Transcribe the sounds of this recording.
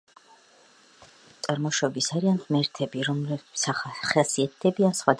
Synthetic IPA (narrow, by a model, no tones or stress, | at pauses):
t̪sʼaɾmɔʃɔbisaɾianhmɛɾt̪ʰɛbiɾɔmlɛsχasiat̪̚ʰd̪̥ɛbiansχwad̪